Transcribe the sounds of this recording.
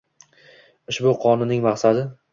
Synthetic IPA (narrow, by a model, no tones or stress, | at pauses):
ɪʃbʊqʰɒnɪnɪŋmɑχsad̪ɪ